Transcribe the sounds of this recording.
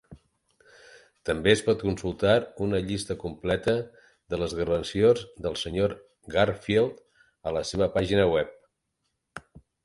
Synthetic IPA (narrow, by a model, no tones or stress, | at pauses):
t̪əmbeəspɔt̪kunsulˠt̪aɾunəʎist̪əkumplɛt̪ə | ðələzɣəɾənsiozðəlˠsəɲoɾ | ɡarfelˠt̪ | ələseβ̞əpaʒinəwɛp̚